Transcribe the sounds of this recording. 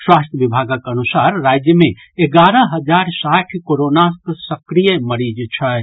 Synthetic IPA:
swast̪ʰəʋibʱaɡəkənusaɾːad͡ʒjəme | eɡaɾəɦəd͡ʒaɾsaʈʰkoɾonasksəkɾijəməɾid͡ʒt͡ʃʰə

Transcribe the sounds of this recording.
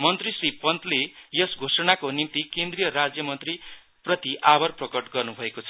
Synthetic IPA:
mʌnt̪risripʌnt̪lejʌsɡʱosʌnakonint̪ikend̪rijʌɾad͡zjʌmʌnt̪ri | prʌt̪iʔabʌrprʌkʌʈɡʌrnubʱʌekot͡sʰʌ

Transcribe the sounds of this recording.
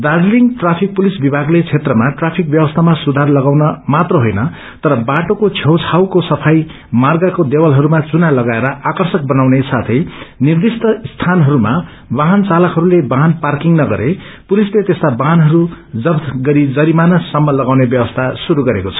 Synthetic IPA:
d̪ad͡zliŋɡʈrapʰik̚pulisbibʱaɡlet͡sʰet̪rʌmaʈrapʰik̚bjʌwʌst̪ʰamasud̪ʱarlʌɡawnʌmat̪rʌɦojnʌ | t̪ʌɾʌbaʈokot͡sʰjʌwt͡sʰawkosʌpʰaj | marɡakod̪ewʌlɦʌɾumat͡sunalʌɡaeɾʌʔakʌrsʌk̚bʌnawnesat̪ʰʌjnird̪ist̪ʌst̪ʰanɦʌɾuma | baɦʌnt͡salʌkɦʌɾulebaɦanparkiŋnʌɡʌ̰ɾʔe | pulislet̪est̪abaɦnɦʌɾu | d͡zʌbt̪ɡʌɾid͡zʌɾimanʌsʌmːʌlʌɡawnebjʌbʌst̪ʰasuɾuɡʌɾekot͡sʰʌ̥

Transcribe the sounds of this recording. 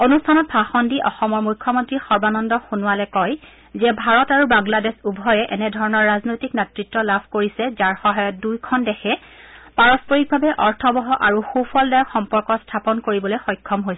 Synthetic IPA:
onustʰanɔt̚pʰaxɔndiʔɔxɔmɔɹmujkʰːɔmɔntɹixɔɹbanɔndɔxunʊwalɛkɔj | zɛbʱaɹɔtaɹubaŋladɛsubʱɔjɛʔɛnɛdʱɔɹɔnɔɹːaznojtiknɛtɹitːɔlabʱkoɹisɛzaɹxɔɦajɔt̚dujkʰɔndɛxʰɛ | paɹɔspɔɹik̚bʱabɛʔɔɹtʰɔbɔɦɔʔaɹuxupʰɔldaɹxɔmpɔɹkɔstʰapɔnkoɹibɔlojxɔjkʰːɔmɦojs

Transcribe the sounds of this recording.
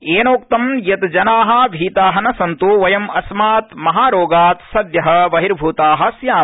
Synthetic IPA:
eːnoːk̚t̪ɐmjɐt̪d͡ʒɐnaːɦɐ̆ʋʱiːt̪aːɦɐnɐsɐnt̪uʋɐjɐmɐsmaːt̪mɐɦaːɾoːɡaːt̪sɐd̪jɐɦɐ̆ʋɐɦiɾbʱuːt̪aːɦɐ̆sjaː

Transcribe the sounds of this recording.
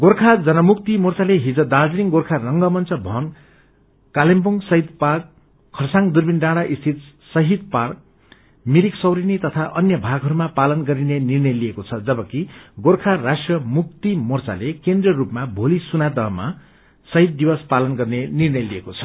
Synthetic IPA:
ɡorkʰad͡zʌnʌmuk̚t̪imort͡saleɦid͡zʌd̪ad͡zɾiŋɡorkʰarʌŋɡʌmʌnt͡sʌbʱʌn | kalempuŋsʌɦid̪park̚ʰː | ʌrsaŋd̪urbinɖãɽaʔist̪ʰit̪ | sʌɦid̪̚park̚ | miɾiksʌwɾinit̪ʌt̪ʰaʔʌnjʌbʱaɡɦʌɾumapalʌnɡʌɾinenirnʌjlijekot͡sʰʌd͡zʌbʌkiɡorkʰarasʈrʌmuk̚t̪imurt͡sa̰lekend̪rʌrupmabʱolisunad̪ʌɦʌma̰ | sʌɦid̪̚ːibʌspalʌnɡʌrnenirnʌjliekot͡sʰʌ̥

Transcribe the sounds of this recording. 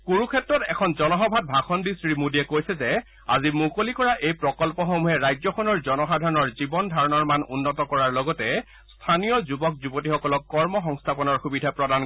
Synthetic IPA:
kuɹukʰɛtɹɔtɛkʰɔnzɔnɔɦɔbʱat̚bʱaxʰɔndisɹimudiɛkojsɛzɛ | a̰zimukolikɔɹaʔejpɹɔkɔlpɔxomuɦɛɹajzɔkʰɔnɔɹzɔnɔxadʱaɹɔnɔɹzibɔndʱaɹɔnɔɹmanṵnːɔtɔkɔɹaɹlɔɡɔtɛ | stʰanijɔzubɔk̚zubotixɔkɔlɔkːɔɹmɔxɔŋstʰapɔnɔɹxubidʱapɹɔdan

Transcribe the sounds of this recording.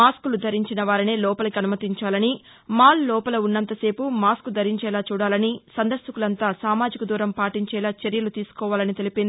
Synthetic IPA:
aːskulud̪ʱɐɾiɲt͡ʃinɐʋaːɾine̞ːlɔːpɐlɐkiɐnumɐt̪iɲt͡ʃaːlɐni | maːllɔːpɐlɐunːɐnt̪ɐse̞ːpumaːskud̪ʱɐɾiɲt͡ʃɛːlaːt͡ʃuːɽaːlɐnisɐnd̪ɐɾsukulɐnt̪aːsaːmaːd͡ʒikɐd̪uːɾɐmpaːʈiɲt͡ʃɛːlaːt͡ʃeɾjɐlut̪iːsu̥kɔːʋaːlɐnit̪e̞lipind̪ii

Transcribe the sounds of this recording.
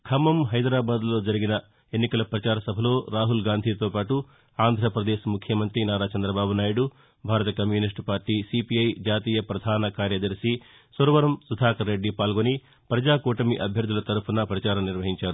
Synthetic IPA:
kʰɐmɐmɦɐjd̪ɾaːbaːd̪lo̞ːd͡ʒɐɾiɡinɐ | enːikɐlɐpɾɐt͡ʃaːɾɐsɐbʱɐlo̞ːɾaːɦulɡaːnd̪ʱiːt̪o̞ːpaːʈu | aːnd̪ʱɾɐpɾɐd̪eːʃmukʰjɐmɐnt̪ɾinaːɾaːt͡ʃɐnd̪ɾɐbaːbunaːjuɽu | bʱaːɾɐt̪ɐkɐmjuːnisʈpaːɾʈiːsipiɐjd͡ʒaːt̪iːjɐpɾɐd̪ʱaːnɐkaːɾjɐd̪ɐɾsi | soɾʋɐɾɐmsud̪ʱaːkɐɾːe̞ɖːipaːlɡoni | pɾɐd͡ʒaːkuːʈɐmiʔɐbʱjɐɾd̪ʱulɐt̪ɐɾupʰɐnɐpɾɐt͡ʃaːɾɐmniɾʋɐɦiɲt͡ʃaːɾu

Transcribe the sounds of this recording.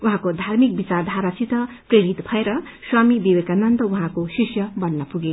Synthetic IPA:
uɦãkod̪ʱarmik̚bit͡sard̪ʱaɾat͡sit̪ʌ | preɾit̪bʱʌeɾʌ | swamib̪iwekanʌnt̪ʌuɦãkosisjʌbʌnːʌpuɡe

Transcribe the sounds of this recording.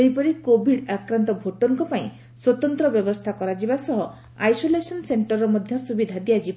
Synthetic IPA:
ejpɔɾikobʱiɖakɾant̪ɔbʱoʈɔŋkɔpaĩ | swɔt̪ɔnt̪ɾɔbjɔbɔst̪ʰakɔɾad͡ʒibasɔɦɔ | ajsolesɔnseɳʈɔɾːɔmɔd̪ʱjɔsubid̪ʱad̪ijad͡ʒiba

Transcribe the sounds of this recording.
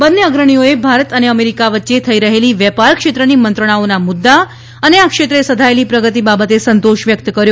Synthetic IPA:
bənːjəəɡɾəɳ̃ijoebʱaɾət̪əneəmeɾikaʋətːʃet̪ʰəiɾəɦeliʋjəpaɾkʂet̪ɾənimənt̪ɾəɳ̃aonamud̪ːa | əneakʂet̪ɾəesəd̪ʱaelipɾəɡət̪ibabət̪esənt̪oʃʋjəkt̪kəɾjo

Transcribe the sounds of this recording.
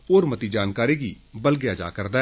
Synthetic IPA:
oːɾmɐt̪id͡ʒaːnkaːɾiɡi | bɐlɡejad͡ʒa̰ːkəɾd̪a

